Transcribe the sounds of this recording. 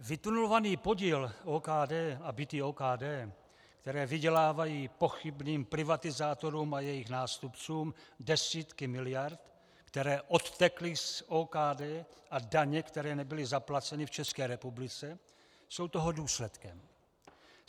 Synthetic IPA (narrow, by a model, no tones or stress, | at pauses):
vɪt̪unulovaniːpo̞ɟiːloːkaːdɛːabɪt̪iːoːkaːdɛː | kt̪ɛɾɛːvɪɟɛlaːvajiːpo̞xɪbniːmpɾɪvat̪ɪzaːt̪o̞ɾuːmajɛjɪxnaːst̪upt͡suːmdɛsiːt̪kɪmɪlɪjaɾt̪ | kt̪ɛɾɛːʔo̞t̪ːɛklɪsoːkaːdɛːʔadaɲɛkt̪ɛɾɛːnɛbɪlɪzaplat͡sɛnɪft͡ʃɛskɛːɾɛpublɪt͡sɛ | so̞wt̪o̞ɦo̞duːslɛt̪kɛm